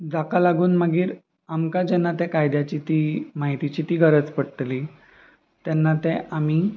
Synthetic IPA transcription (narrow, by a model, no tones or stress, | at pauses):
d͡zakalaɡuːnməɡiːɾ | amkad͡ʑɛnːat̪ɛkajd̪jat͡ɕit̪iːmaɦit̪it͡ɕiːt̪iːɡʱəɾət͡spəɽəʈ̪li | t̪ɛnːat̪ɛami